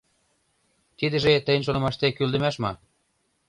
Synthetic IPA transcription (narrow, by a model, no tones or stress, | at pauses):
t̪id̪ə̆ʒet̪ə̆jə̆nʃ̬onɤ̆mɑʃt̪ekyld̪ə̆mæʃmɑ